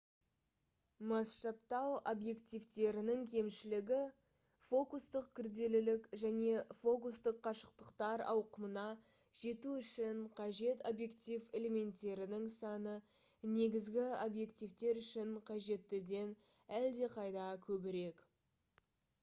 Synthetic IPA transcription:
mɑsʃɑpt̪ɑwobje̞kt̪ijvt̪e̞ɾɪnɪŋkʲʰe̞mʃɪlɪɡʲɪ | fo̞kust̪əqkʲʰʏɾd̪e̞lɪlɪkʒæne̞fo̞kust̪əqʰːɑʃə̥q̚t̪əqt̪ɑɾɑ̰wqəmənɑ | ʒ̥e̞t̪uʏʃɪɴqʰɑʒe̞t̪o̞bje̞kt̪ive̞le̞me̞nt̪ːe̞ɾɪnɪŋsɑnə | ne̞ɡʲɪzɡʲɪobje̞kt̪ivt̪e̞ɾʏʃɪɴqʰɑʒe̞t̪ːɪd̪e̞n | æld̪e̞qʰɑjd̪ɑkʲʰɵbɪɾe̞k

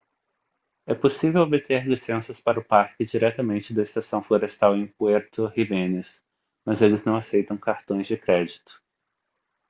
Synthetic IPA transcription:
ɛposivewobɪt̪eɾlisẽsɐspaɾɐʊpaɾkɪd͡ʒiɾɛt̪ɐmẽnt͡ʃɪd̪ɐɪst̪asɐ̃w̃floɾest̪awẽj̃pueɾt̪ʊhimẽnɪs | mɐzelɪznɐ̃w̃asejt̪ɐ̃w̃kaɾt̪õj̃zd͡ʒɪkɾɛd͡ʒit̪ʊ̥

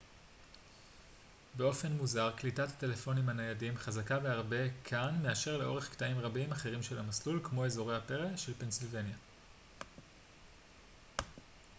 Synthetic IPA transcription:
be̞o̞fe̞nmuzaʁklitat̪at̪e̞le̞fo̞nimanajadimχazakaveaʁbe̞kʰanme̞aʃe̞ʁle̞ʔo̞ʁe̞χkt̪aimʁabimaχe̞ʁimʃe̞lamaslulkmo̞e̞zo̞ʁejhape̞ʁeʃe̞lpe̞nsilve̞nja

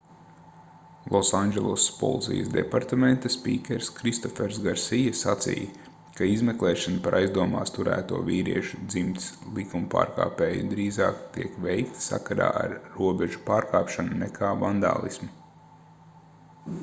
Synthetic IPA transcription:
lˠʔɔsand͡ʒɛlˠospɔ̰lˠt̪sḭjə̰sd̪ɛ̰paɾt̪ament̪aspiːkʲɛɾskɾist̪ɔfɛɾzɡaɾsijasat̪sḭːj | kaizmeklˠɛːʃanpaɾʔajzd̪uɔmaːst̪uɾæ̰ːt̪uɔviːɾiɛʃud̪zimt̪slˠikumpa̰ːɾka̰ːpeːjud̪ɾiːzaːkt̪iɛkʋɛjkt̪sa̰kaɾa̰ːʔa̰ɾːuɔbeʒu̥paːɾkaːpʃanunɛkʰaːvand̪a̰ːlˠḭsmi

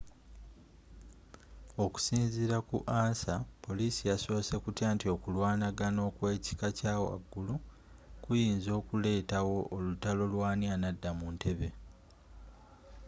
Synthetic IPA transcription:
o̞ku̥siːnziɾakuʔaːnsapo̞liːsijaso̞ːse̞kutjaːntio̞kulwaːnaɡano̞ːkwe̞ːci̥kacaːwa̰ɡːulu | kujiːnzo̞ːkule̞ːtawo̞ʔːlutalo̞lwaːnjanadːamuntʰe̞βe̞

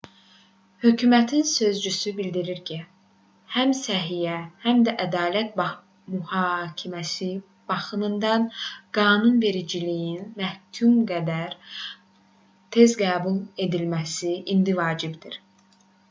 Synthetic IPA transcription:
hø̞cʰyːmæt̪ʰinsø̞zd͡ʒysybild̪iɾiɾcʰi | hæmsæɦijæhæmd̪æʔæd̪ɑːlæt̪̚b | myhɑcʰimæsi | b̥ɑxɯmɯnd̪ɑnɡ̥ɑːnunve̞ɾid͡ʒilijinmæhcʰumɡæd̪æɾ | t̪ʰe̞zɡæːbulˠe̞d̪ilmæsiʔind̪ivɑːd͡ʒibd̪iɾ

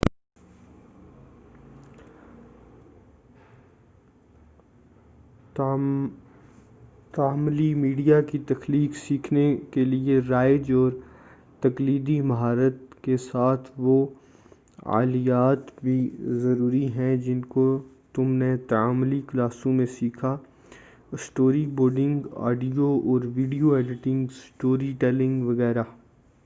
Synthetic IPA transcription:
t̪aːmlimiːɖijakit̪ɐxliːksiːkʰnekelieɾaːɪd͡ʒɔːɾ | t̪ɐkliːd̪imɐɦaːɾət̪kesaːt̪ʰʋo | a̰ːlijaːt̪bʱizɐɾuːɾiɦɛ̃d͡ʒɪnko | t̪ʊmnet̪ɐaːmliklaːsõmẽsiːkʰa | sʈoːɾiboːɾɖɪ̃ŋɡa̰ːɖijoɔːɾʋiːɖijoɛːɖɪʈɪ̃ŋɡsʈoːɾiʈɛːlɪ̃ŋɡʋɐɣɛːɾa

